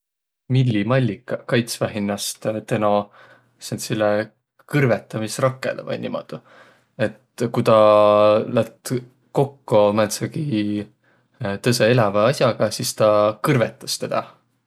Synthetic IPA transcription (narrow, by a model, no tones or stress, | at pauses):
milːimɑlʲːikːˑɑkɑjt̪svæɦinːɑst̪t̪eno | sensilːe | kɯrvet̪ːˑɑmisrɑkːˑḛlḛvɑ̰jnʲḭmo̰d̪̥u | e̞t̪kujt̪ɑ | læt̪ | ko̞kːomæt̪sɑɡ̥i | t̪ɤseelɑvɑɑsʲjɑɡ̥ɑsist̪ɑkɯrve̞t̪ːˑɑst̪e̞d̪̥ɑ